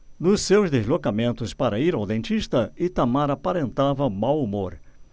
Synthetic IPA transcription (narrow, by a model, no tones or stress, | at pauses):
nʊsːewzd̪ezlokamẽnt̪ʊspaɾɐiɾawd̪ẽnt͡ʃist̪ɐɪt̪amaɾapaɾẽnt̪avɐmawumoɾ